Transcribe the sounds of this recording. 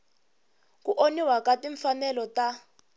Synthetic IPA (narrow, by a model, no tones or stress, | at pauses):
kuʔoniwakatiɱfanɛlɔta